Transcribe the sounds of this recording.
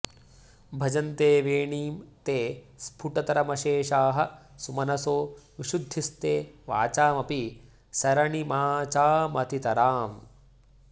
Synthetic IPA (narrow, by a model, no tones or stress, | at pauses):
bʱɐd͡ʒɐnt̪eːʋeːɳiːmt̪eː | spʰuʈɐt̪ɐɾɐmɐʃeːʃaːɦɐ̆ | sumɐnɐsoːʋiʃud̪ʱːist̪eːʋaːt͡ʃaːmɐpi | sɐɾɐɳimaːt͡ʃaːmɐt̪it̪ɐɾaːm